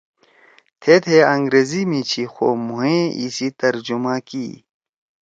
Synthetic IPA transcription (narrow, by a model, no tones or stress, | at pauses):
t̪ʰet̪ʰeɐ̃ŋɡɾeːzimĩt͡ɕʰixoːmuɦẽḭsit̪ɐɾd͡ʑumãkḭ